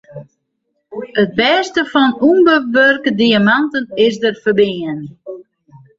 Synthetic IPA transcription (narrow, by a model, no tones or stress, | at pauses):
ət̚bɛːstəfɔnumbəʋørkədiamantənɪs̬dərfərbɪən